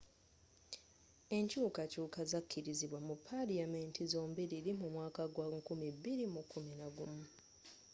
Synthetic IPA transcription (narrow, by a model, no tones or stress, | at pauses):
e̞ɲcuːkacuːkazakʰːiɾiziβwamupʰaɾiamentizoːmbiɾiɾimumwaːkaɡwakumibːiɾimukːuminaɡumu